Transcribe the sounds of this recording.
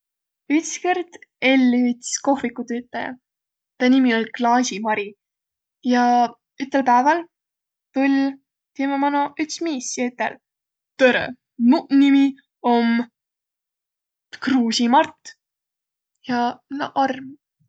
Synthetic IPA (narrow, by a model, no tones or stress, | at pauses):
yt̪skerd̪̥e̞lʲːit̪sko̞hvikːut̪øːt̪ːˑɑjɑ̰ | t̪ɑnimiolʲklɑːsʲimɑɾi | jɑ | yt̪ːˑelpæevɑl | t̪ulʲ | t̪imɑmɑnoyt̪smiːsjyt̪ːˑɛ̰l | t̪øɾḛ | munimi | om | kruːsʲimɑrt̪ːˑ | jɑnʔɑrm